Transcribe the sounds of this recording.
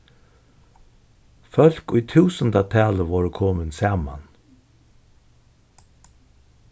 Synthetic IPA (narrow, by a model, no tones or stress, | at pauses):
fœl̥kʊjt̪ʰʉːsənt̪at̪ʰæːləʋɔːɹəkʰoːmənsaːma̰n